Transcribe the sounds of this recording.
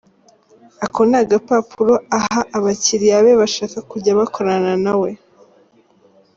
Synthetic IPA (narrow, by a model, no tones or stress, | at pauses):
ako̞naɡapapʰuɾo̞ahaʔaβaciɾijaβeβaʃaːkakuɾɟaβakʰo̞ɾananawe̞